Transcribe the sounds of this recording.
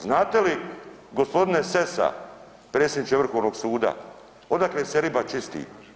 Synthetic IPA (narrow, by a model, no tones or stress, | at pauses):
znaːt̪e̞li | ɡo̞spo̞d̪inese̞sa̰ | pɾe̞ːt̪senit͡ʃ̪evr̩xo̞ʋno̞ɡsuːd̪a̰ | o̞d̪akleːseɾibat͡ʃist̪ḭː